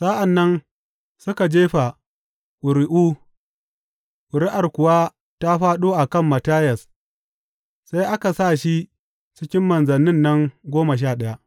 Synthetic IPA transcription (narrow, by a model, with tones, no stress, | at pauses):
saː˦ʔa˨nːɐ˦n | sʊ˦ka˨d͡ʒeː˦ɸa˨ | ʔʊ˨ɾɪ˦ʔuː˦ | ʔʊ˨ɾɪ˦ʔa˨rkʷʊ˨waː˦ | ta˦ɸaː˦ɗoː˦ʔa˨kɐ˦˨mːɐ˨taː˦jɐ˨s | sa˦jʔa˦ka˨sa˦˨ʃi˦ | t͡ʃɪ˦kʲɪ˦mːɐ˨nzɐ˨nːɪ˦nːɐ˦ŋɡʷoː˦ma˨ʃ̬aː˦˨ɗɐ˦ja˦ʔ